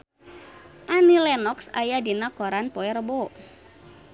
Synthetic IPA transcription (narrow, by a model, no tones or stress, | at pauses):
ʔanilɛnɔksa̰jadinakɔɾanpoɛrəbo